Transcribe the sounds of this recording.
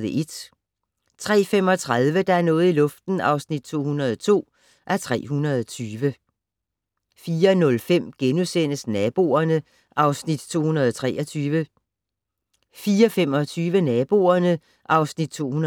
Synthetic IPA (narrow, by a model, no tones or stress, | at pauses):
ðˠəʔe̝d̥ | t͡sʰʁɛ̰ːfem̰ɒ̽t͡sʰʁaðˠʋəd̥ɑ̈æɐnɔ̽ːð̩ˠilɔ̽fd̥n̩ɑ̈ʊsnid̥̚t͡sʰo̝̰ːhunɐð̞ˠɒt͡sʰo̝̰ː | ʔæɐt͡sʰʁɛ̰ːɦunɐðˠɒt͡sʰyːʋə | fiːɐnɔ̽lfem̰ɡ̥enusen̰əsnɛb̥o̝ːɐnə | ʔɑ̈ʊsnid̥t͡sʰo̝̰ːhunɐð̞ˠɒt͡sʰʁɛ̰ːʔɒt͡sʰyːʋə | fiːɐfem̰ɒ̽t͡sʰyːʋənɛb̥o̝̰ɐnə | ʔɑ̈ʊsnid̥̚t͡sʰo̝̰ːhunɐ